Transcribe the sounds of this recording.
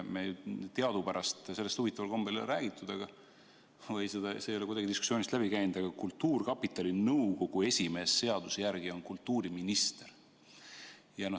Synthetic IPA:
mejt̪eɑd̪upæɾɑst̪selːest̪uvit̪ːˑɑvɑlko̞mbelræːɡ̥it̪ːˑud̪̥ɑɡ̥ɑ | vɤjsed̪̥ɑseːjo̞le̞kud̪ɑɡid̪̥iskusio̞ːnist̪læb̥ikæjnud̪̥ɑɡ̥ɑkult̪ːuːrkɑpːˑit̪ːˑɑlinɤwko̞ɡ̥ue̞sʲime̞ːsːe̞ɑd̪̥usejærɡio̞nkult̪ːuːɾiminist̪eɾ | jɑno

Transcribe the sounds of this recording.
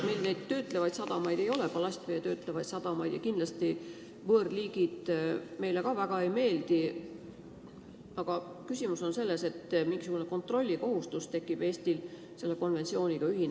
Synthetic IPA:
milne̞jd̪̥t̪ːø̞ːt̪ːˑle̞vɑjd̪sɑd̪̥ɑmɑjd̪̥e̞jo̞lepɑlɑsʲt̪vejet̪ø̞ːt̪ˑle̞vɑjt̪sɑd̪̥ɑmɑjd̪̥jɑkind̪lɑst̪i | vɤːrliːɡid̪̥me̞jle̞kɑvæɡ̥ɑe̞jme̞ːld̪̥i | ɑɡ̥ɑkysʲimuso̞nse̞lːe̞se̞t̪ːmiŋɡ̥is̬uɡune̞ko̞nt̪ˑro̞lʲːiko̞ɦust̪ust̪e̞kːˑib̥e̞ːst̪il | se̞lːe̞ko̞nvet̪sio̞ːnʲikɑyɦin

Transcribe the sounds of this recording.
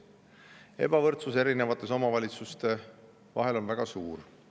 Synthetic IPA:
e̞̰bɑvɤrt̪suse̞ɾine̞vɑt̪ːˑe̞so̞mɑvɑlʲit̪sust̪e̞ | vɑ̰ɦe̞lo̞nvæɡ̥ɑsuːr

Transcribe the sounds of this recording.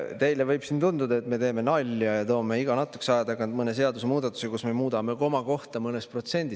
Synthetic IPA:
t̪e̞jle̞vɤjb̥sint̪und̪ud̪ɑe̞t̪me̞t̪eːme̞nɑlʲːjɑjɑt̪o̞ːme̞iɡɑnɑt̪ːˑu̥kːsɑjɑd̪ɑkɑnd̪mɤnes̬e̞ɑd̪usemuːd̪̥ɑt̪ːˑu̥sekusme̞muːd̪̥ɑme̞ko̞mɑko̞ht̪ɑmɤnespro̞t̪se̞nʲd̪̥is

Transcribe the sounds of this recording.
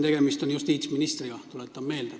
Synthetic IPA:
t̪e̞ɡ̥e̞mist̪o̞njust̪iːt̪sminist̪riɡ̥ɑt̪ulett̪ːˑɑmme̞ːld̪̥e

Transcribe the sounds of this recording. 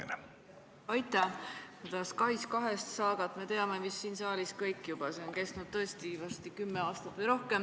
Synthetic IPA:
ɑjt̪ːˑɑkud̪̥ɑskɑjskɑɦe̞st̪sɑːɡ̥ɑt̪ˑme̞t̪e̞ɑme̞misːiːnsɑːlʲiskɤjkːˑjub̥ɑse̞onke̞st̪nud̪̚t̪ɤ̞est̪ivɑst̪ikymːeɑːst̪ɑt̪vɯjɾo̞hke̞m

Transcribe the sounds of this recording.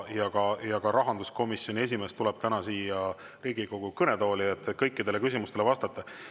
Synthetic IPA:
jɑɡɑjɑɡ̥ɑɾɑɦɑnd̪̥usko̞misjo̞nʲie̞s̬ʲime̞ːst̪ulɛb̥̚t̪ænɑsiːjɑ | riːɡ̥iɡo̞ɡ̥ukɤne̞d̪o̞ːliet̪ːˑekɤjkːˑid̪e̞le̞kysʲimust̪e̞lvɑst̪ɑt̪ˑːɑ

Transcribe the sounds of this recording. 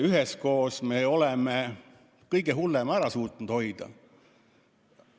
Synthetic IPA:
yɦɛsko̞ːsmeo̞lɛme | kɤjɡ̥eɦulːemæɾɑsuːt̪ˑnud̪̥ho̞jd̪̥ɑ̰

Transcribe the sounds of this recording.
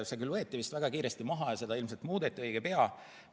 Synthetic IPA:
sekylvɤ̞et̪ːˑivist̪væɡ̥ɑkiːɾest̪imɑɦɑjɑse̞d̪̥ɑilmselt̪muːd̪et̪ʲːˑiɤjɡ̥epe̞ɑ

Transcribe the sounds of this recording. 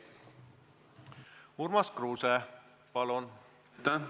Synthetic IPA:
urmɑskruːsɛ | pɑlon | t̪a

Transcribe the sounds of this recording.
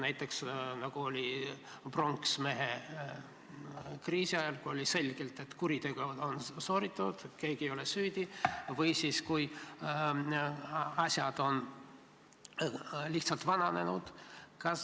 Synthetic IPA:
næjt̪ːˑe̞ksnɑɡ̥uo̞lʲi | pro̞ŋksme̞ɦe | kriːsiɑjɑlkuo̞lʲise̞lʲɡ̥e̞lt̪e̞t̪kuɾit̪e̞ɡ̥uo̞nso̞ːɾit̪ːˑud̪̥ke̞ːɡ̥iejo̞lesyːd̪̥ʲivɯjsiːskuj | ɑsʲjɑd̪̥o̞n | liht̪sɑlt̪vɑnɑne̞̰nud̪̥kɑs

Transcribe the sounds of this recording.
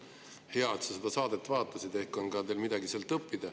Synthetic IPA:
heɑet̪sɑsed̪̥ɑsɑːd̪e̞t̪ːvɑːt̪ːˑɑsid̪̥e̞hkːˑo̞nkɑd̪e̞ːlmid̪ɑɡiseːlt̪ɤpːid̪̥ɑ

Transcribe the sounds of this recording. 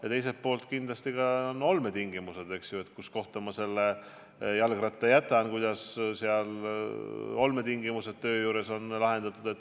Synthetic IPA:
jɑt̪e̞js̬et̪̚po̞ːlt̪kind̪lɑst̪ikɑono̞lmet̪iŋɡimuse̞d̪̥e̞ksjue̞t̪ˑkusko̞ht̪omɑse̞lːe | jɑlɡ̥rɑt̪ːˑejæt̪ːˑɑnkujd̪̥ɑsseɑl | o̞lme̞t̪iŋɡimuse̞d̪̥t̪ø̞ːjuːɾe̞so̞nlɑɦe̞nd̪̥ɑt̪ːˑud̪e̞t̪ːˑ

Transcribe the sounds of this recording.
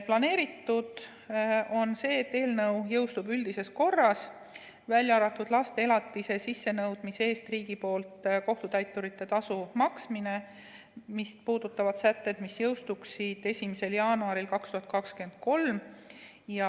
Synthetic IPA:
plɑne̞ːɾit̪ːud̪̥ | o̞nse̞ːet̪ːe̞ːlnɤwjɤwst̪ubyld̪ise̞sko̞rːɑs | vælʲjɑɑɾɑt̪ːˑud̪̥lɑst̪e̞elɑt̪ːise̞sisːe̞nɤwd̪̥mise̞ːst̪riːɡ̥ipo̞ːlt̪ˑko̞ht̪ut̪æjt̪ːˑuɾit̪ːe̞t̪ɑsumɑksmine̞ | mispuːd̪̥ut̪ːˑɑvɑd̪̥sæt̪ːe̞d̪̥misjɤwst̪uksid̪̥e̞sʲimise̞ljɑːnuɑɾilkɑkst̪uhɑt̪̚kɑkskye̞nd̪̥̚ko̞lm | jɑ

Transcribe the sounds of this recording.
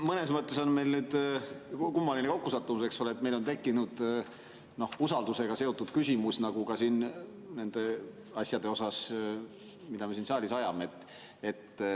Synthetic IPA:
mɤne̞smɤt̪ːˑe̞so̞nme̞jlnyːd̪̥ | kumːɑline̞ko̞kːusɑt̪ːˑumuseksoleet̪me̞lo̞nt̪e̞kːinud̪̥ | no̞husɑld̪use̞ɡ̥ɑse̞o̞t̪ːˑud̪̥kysʲimusnɑɡ̥ukɑsin | ne̞nd̪̥e̞ | ɑsjɑd̪e̞o̞sɑs | mid̪ɑmesinsɑːlʲisɑjɑmeet̪ːˑ | e̞t̪ː

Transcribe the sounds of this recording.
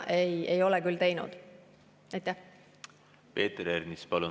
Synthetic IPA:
ʔe̞je̞jo̞lɛkylt̪e̞jnṵd̪̥ | ɑjt̪ːˑæh | pe̞ːt̪ɾeɾnispɑlu

